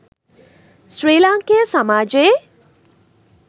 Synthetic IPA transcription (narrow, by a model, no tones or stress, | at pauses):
sɾeːlaŋkeəsəmaːd͡ʒee